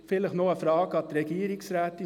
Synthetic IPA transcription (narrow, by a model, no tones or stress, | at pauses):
fɪləχnoːəfɾɑːɡəɑt̪ɾɛɡiːɾɪŋsɾæːt̪ə